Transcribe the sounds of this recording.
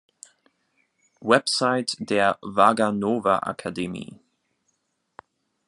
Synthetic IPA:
wɛpsaɪtd̥eːɐvaɡanoːva̰ʔa̰kʰademḭː

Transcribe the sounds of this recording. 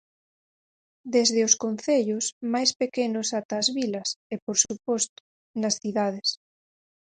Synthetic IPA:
d̪ezðɪoskonθeʎʊsmajspekenʊsat̪ɐːzβilɐsepoɾsupɔst̪ʊ̥ | nɐsθiðað̞es

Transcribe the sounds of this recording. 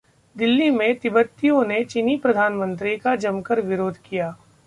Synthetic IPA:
d̪ɪlːimẽt̪ɪbət̪ːijõnet͡ʃinipɾɐd̪ʱaːnmə̃nt̪ɾikad͡ʒɐmkəɾʋɪɾoːd̪ʱkijaː

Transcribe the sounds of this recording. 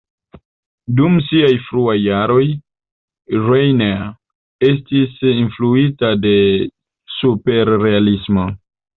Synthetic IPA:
dumsiajfɾuajːaɾo̞j | ɾejne | e̞stisinfluitade̞ | supe̞ɾːe̞alismo̞

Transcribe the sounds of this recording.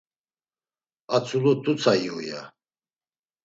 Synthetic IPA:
at͡sʰulut̪ʰut͡sʰaiɔja̰

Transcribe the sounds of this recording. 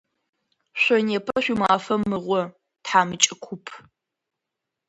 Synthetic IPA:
ɕʷɔneːpʰɐɕʷumaːfɐmːɨʁʷɔ | tħaːmɨt͡ʃʼɪkʷʰʊpʰ

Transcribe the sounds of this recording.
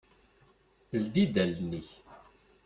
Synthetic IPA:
ld̪id̪ælniç

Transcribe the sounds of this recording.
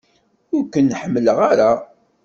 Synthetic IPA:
ʊɾkənːħəmːələʁaɾa

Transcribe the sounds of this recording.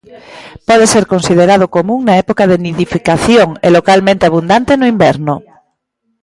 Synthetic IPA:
pɔðeseɾkõnsið̞eɾað̞ʊkomũŋnaɛpokaðeniðifikaθjoŋelokalmẽnt̪eaβund̪ant̪enʊimbɛɾnʊ

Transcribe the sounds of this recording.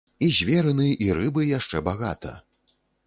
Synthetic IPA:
izʲvʲɛɾɨnɨjʔiɾɨbɨjaʂt͡ʂɛbaɣat̪ɐ̰

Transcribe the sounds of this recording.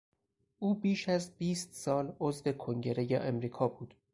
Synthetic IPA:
ʔuːbiːʃæzbiːst̪sɒːlozve̞kʰoŋɟe̞ɾe̞jeʔemɾiːkʰɒːbuːd̪̥

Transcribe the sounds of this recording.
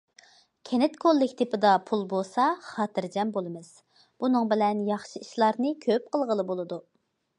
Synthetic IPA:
kʲʰenɪt̪kʰolˠːɪkʲt̪ʰepɪd̪ɑpʰulˠbosɑχɑːt̪ʰɨɾd͡ʒɛmbolˠɨmɨz̥ | b̥unɨŋbɪlɛnjɑχʃiiʃlˠɑɾnɨkʲʰøp̚qəlˠʁəlˠɨbolˠɨd̪u

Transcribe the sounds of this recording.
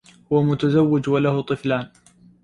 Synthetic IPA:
hʊwamʊt̪azawːɪd͡ʒwalahʊt̪ˤɨflaːn

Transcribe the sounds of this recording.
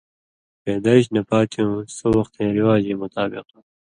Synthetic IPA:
peːd̪aːiɕ̬nɐpaːt̪ʰijõsowɐxt̪ẽːɾiwaːd͡ʑeːmʊt̪aːbɪqo

